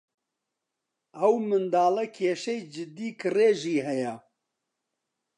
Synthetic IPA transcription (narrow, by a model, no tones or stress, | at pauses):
ɐwmɨnd̪aːlɐkʰeːʃɛjd͡ʒɨd̪iːkɨreːʒiːɦɛjɛ